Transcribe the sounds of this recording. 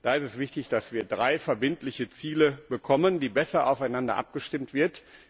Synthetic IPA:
d̥aːɪstɛsv̥ɪçtɪçd̥asv̥iːɐdʁaɪfɛɐbɪntlɪçət͡siːləb̥əkʰɔməndiːbɛsɐʔa̰ʊfaɪnandɐ̰ʔa̰p̚ɡ̥əʃtɪmtv̥ɪɐt

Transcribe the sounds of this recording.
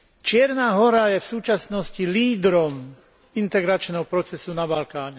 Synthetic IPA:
t͡ʃɪɛɾnaːɦɔɾajɛfsuːt͡ʃasnɔsciliːd̪ɾɔm | int̪ɛɡɾat͡ʃnɛɦɔpɾɔt͡sɛsunabalkaːɲɛ

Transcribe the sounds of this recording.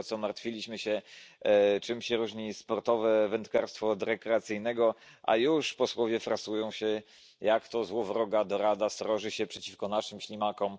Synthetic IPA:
t̪sɔmaɾt̪fʲilʲiɕmɘɕɛ | t͡ʂɘmɕɛɾuʐɲispɔɾt̪ɔvɛvɛnt̪kaɾst̪fɔd̪ɾɛkɾɛat̪sɘjnɛɡɔ | ʔa̰juʂpɔswɔvʲjɛfɾasujɔ̃w̃ɕɛ | jakt̪ɔzwɔvɾɔɡad̪ɔɾad̪ast̪ɾɔʐɘɕɛpʂɛt͡ɕifkɔnaʂɘmɕlʲimakɔm

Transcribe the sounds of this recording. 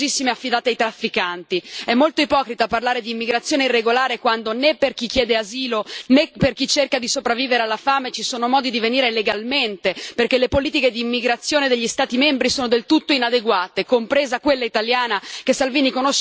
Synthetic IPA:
isːimeafːid̪aːt̪eajt̪ɾafːikant̪iɛmːolt̪oipɔːkɾit̪aparlaːɾed̪iːmːiɡɾat̪sjoːneirːeɡolaːɾekwand̪onepːerk̟ik̟ːjɛːd̪eaziːloneperkit͡ʃerkad̪isopɾavːiːveɾealːafaːmet͡ʃisoːnomɔːd̪id̪iveniːɾeleɡalment̪eperk̟elepoliːt̪iked̪iːmːiɡɾat̪sːjoːned̪eʎːist̪aːt̪imembɾisoːnod̪elt̪ut̪ːoinad̪eɡwaːt̪ekompɾeːzakwelːait̪aljaːnakesalviːnikonoʃ

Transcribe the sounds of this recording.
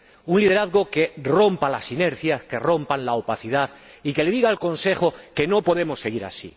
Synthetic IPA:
unliðeɾaðɣo̞ke̞ro̞mpalasine̞ɾθjaske̞ro̞mpanlaopaθiðað | ike̞le̞ðiɣaːlko̞nse̞xoke̞no̞po̞ðe̞mo̞sːe̞ɣ̞iɾa̰sḭ

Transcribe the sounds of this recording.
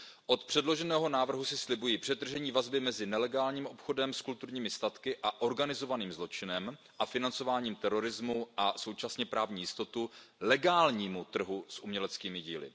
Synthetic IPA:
ʔo̞t̪pr̥ɛdlo̞ʒɛnɛːɦo̞naːvr̩ɦusɪslɪbujiːpr̥ɛd̪r̩ʒɛɲiːvazbɪmɛzɪnɛlɛɡaːlɲiːmʔo̞pxo̞dɛmskult̪uɾɲiːmɪst̪at̪kɪʔaʔo̞ɾɡanɪzo̞vaniːmzlo̞t͡ʃɪnɛm | ʔafɪnant͡so̞vaːɲiːmt̪ɛɾo̞ɾɪzmuʔaso̞wt͡ʃasɲɛpɾaːvɲiːjɪst̪o̞t̪ulɛɡaːlɲiːmut̪r̩ɦusʔumɲɛlɛt͡skiːmɪɟḭːlɪ̰

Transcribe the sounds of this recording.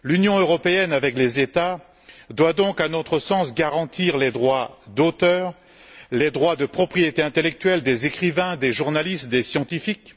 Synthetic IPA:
lynjɔ̃øʁɔpeɛnavɛklezet̪a | d̪wad̪ɔ̃kãnot̪χəsɑ̃sɡaʁɑ̃t̪iʁled̪ʁwad̪ot̪œːʁ | led̪ʁwad̪əpχɔpχijet̪eɛ̃t̪elɛk̚t̪ɥɛld̪ezekχivɛ̃d̪eʒuʁnalist̪d̪esjɑ̃t̪ifik

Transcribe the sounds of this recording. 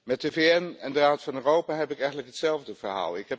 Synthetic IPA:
mɛt̚əveɛnɛndəraːtfɑnøːrowpaːɦɛpɪəkɛjχəntləkɦətsɛlˠvdəvəɹɦa̰ːlˠɪ̰kɦɛp

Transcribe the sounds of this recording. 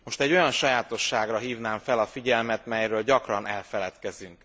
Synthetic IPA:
mo̞ʃt̪ɛɟːo̞jɒnʃɒjaːt̪o̞ʃːaːɡrɒɦiːvnaːɱfɛlɒfiɟɛlmɛt̪mɛjrøːlɟɒkrɒnɛlfɛlɛt̪kɛzyŋk

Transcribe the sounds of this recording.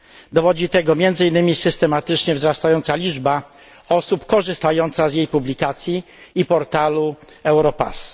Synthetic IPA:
d̪ɔvɔd͡ʑit̪ɛɡɔmʲjɛnd̪zɘinːɘmʲisɘst̪ɛmat̪ɘt͡ʂɲɛvzɾast̪ajɔnt̪salʲid͡ʐba | ɔsupkɔʐɘst̪ajɔnt̪sazjejpublʲikat̪sʲjiː | pɔɾt̪alu | ɛwɾɔpa̰s

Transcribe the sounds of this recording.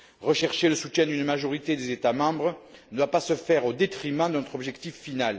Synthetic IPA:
ʁəʃɛʁʃeləsut̪jɛ̃d̪ynmaʒɔʁit̪ed̪ezet̪amɑ̃bʁəd̪wapasəfɛʁod̪et̪χimɑ̃d̪nɔt̪χɔbʒɛkt̪ifːinal

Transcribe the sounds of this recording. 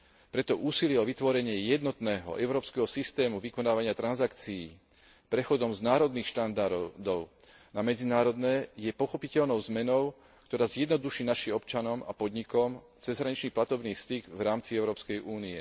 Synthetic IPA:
pɾɛt̪ɔʔuːsilɪɛɔʋit̪ʋɔɾɛɲɪɛjɛd̪nɔt̪nɛːɦɔ̰ʔɛʊɾɔːpskɛɦɔsist̪ɛːmuʋikɔnaːʋaɲɪat̪ɾanzakt͡siiː | pɾɛxɔd̪ɔmznaːɾɔd̪niːxʃt̪and̪aɾd̪ɔʊ | namɛd͡zinaːɾɔd̪nɛːjɛpɔxɔpicɛʎnɔʊzmɛnɔʊ | kt̪ɔɾaːzjɛd̪nɔd̪uʃiːnaʃiːɔp̚t͡ʃanɔma̰pɔd̪ɲikɔm | t͡sɛzɦɾaɲit͡ʃniːplat̪ɔbniːfst̪iɡvɾaːmt͡siɛʊɾɔːpskɛjʔuːniɛ

